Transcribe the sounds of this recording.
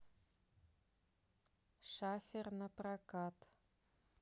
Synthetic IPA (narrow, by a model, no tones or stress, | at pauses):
ʃafʲernɐprakat̪